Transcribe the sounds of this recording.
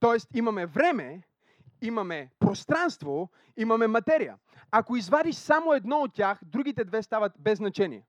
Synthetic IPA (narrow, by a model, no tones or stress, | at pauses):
t̪ɔɛst̪imɐmɛvɾɛmɛ | imɐmɛpɾost̪ɾanst̪vo | imɐmɛmɐt̪ɛɾijə̰ | akoizvad̪iʃsamoɛd̪nɔot̪ːʲaxd̪ɾuɡ̟it̪ɛd̪vɛst̪avət̪bɛznɐt͡ʃɛnḭɛ